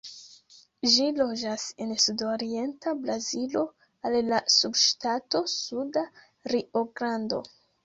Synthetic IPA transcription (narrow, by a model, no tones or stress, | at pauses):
ʒilo̞d͡ʒase̞nsudo̞ɾie̞ntabɾazilo̞ | alːasubʃtato̞suda | ɾio̞ɡɾando̞̰